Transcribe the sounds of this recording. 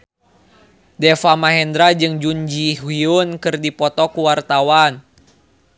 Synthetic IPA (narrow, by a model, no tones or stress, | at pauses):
dɛfamaɦɛnd̪ɾad͡ʒɨŋd͡ʒuɲd͡ʒiɦiunkɨrdipɔt̪ɔkuwart̪awan